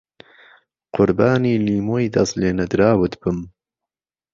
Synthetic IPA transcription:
qʊɾbaːniːliːmoːjd̪ɐsleːnɐd̪ɾaːwɨt̪b̥ɨm

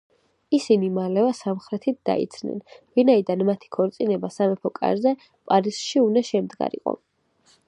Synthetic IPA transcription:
isinimalɛvasamχɾɛt̪ʰit̪̚d̪a̰ḭt̪sʰnɛ̰nvinaid̪anmat̪ʰi̥kʰɔɾt̪sʼinɛbasamɛpʰɔkʼa̰ɾzɛ | pʼaɾisʃiunaʃɛmd̪ɡa̰ɾḭqʼɔ̰

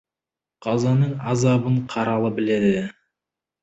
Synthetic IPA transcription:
qʰɑzɑnəɴɑzɑbəɴqʰɑɾɑlˠəbɪled̪ɪ

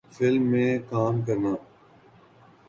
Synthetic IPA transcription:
fʰɪlmːẽːkaːmkəɾnaː

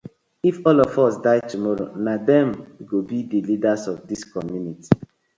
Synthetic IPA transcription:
ifɔlɔvɔsdaɪtumɔɹo̰nadɛ̃mɡobidilidasɔfdiskɔmjuniti̥

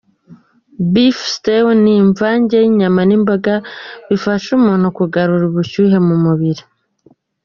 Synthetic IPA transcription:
bifstewniɱvaːɲɟeiɲamanimbaɡaβifaʃumun̥ukuɡaɾuɾuβuʃuɦe̞mumuβiɾi

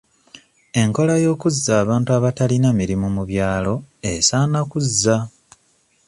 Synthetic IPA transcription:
e̞ŋko̞lajo̞ːkuzːaːβaːntuaβatalinamiɾimumuβjaːlo̞esanakuzːa

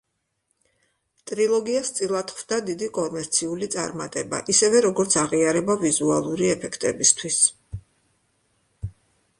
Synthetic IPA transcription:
t̪ʼɾilˠɔɡiast̪sʼilˠat̪χvd̪ad̪id̪ikʼɔmɛɾt̪sʰiulit̪sʼa̰ɾmat̪ʼɛba̰ʔisɛvɛɾɔɡɔɾt̪sʰaʁiaɾɛbavizualˠuɾiɛpʰɛkʰt̪ʼɛbist̪ʰwis

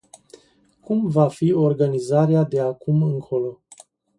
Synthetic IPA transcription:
kumvafio̞rɡanizaɾead̪e̞akumɨŋkʰo̞lo̞

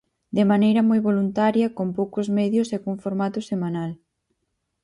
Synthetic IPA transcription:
d̪emanejɾɐmojβolunt̪aɾjɐkompowkʊzmɛðjʊsɛkoɱfoɾmat̪ʊsemãnal

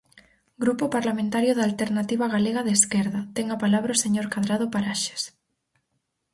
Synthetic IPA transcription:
ɡɾupopaɾlamẽnt̪aɾjoðalt̪eɾnat̪iβaɣaleɣaðeskeɾðɐt̪ɛŋapalaβɾaoseɲoɾkaðɾað̞opaɾaʃe̥s

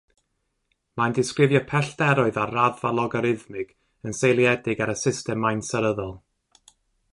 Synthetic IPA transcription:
mandɪskrɪvjɔpʰɛɬdɛɾʊɨðaraðvalˠɔɡɔɾɪðmɪɡ̥ | ənsejlˠjɛdɪɡaɾəsɪstɛmːajnsəɾəðɔlˠ

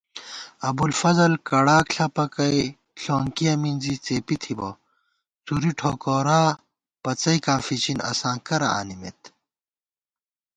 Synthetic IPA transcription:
ɐbulfɐzɐlkɐɽaːkɬɐpɐkɐi | ɬoːŋkiɐminzit͡seːpit̪ʰibo̰ | t͡suɾiʈʰoːkoːɾaː | pɐt͡sɐikaːfit͡ɕinɐ̰sãːkɐɾɐ̰a̰ːnimḛt̪

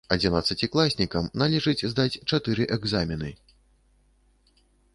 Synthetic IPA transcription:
ɐd͡zʲinat̪sːɐt͡sʲiklˠasʲnʲikɐmnalʲɛʐɨd͡zʲzd̪at͡sʲt͡ʂat̪ɨɾɨʔɛɡzamʲinɨ

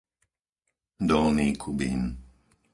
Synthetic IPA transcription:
d̪ɔlniːkʰubḭn

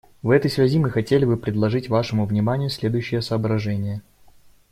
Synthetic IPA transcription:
vɛt̪əjsvʲɛzʲimɨxɐtʲelʲɪbɨpɾʲɪd̪lˠɐʐɨtʲvaʂɨmʊvnʲɪmanʲɪjʊsʲlʲe̞d̪ʊjʉɕːɪjəsəːbɾɐʐɛnʲɪjə

